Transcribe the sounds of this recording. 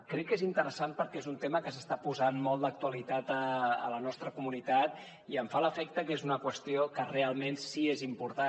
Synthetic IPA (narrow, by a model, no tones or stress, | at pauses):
kɾɛkːezint̪əɾəsanpəɾkɛezunt̪eməkəsəst̪apuzanmɔlˠd̪ək̚t̪uəlit̪at̪əə̰lənɔst̪ɾəkumunit̪at̪ | iəɱfaləfɛk̚t̪əkezunəkwəst̪iokərealˠmensiezimpuɾt̪a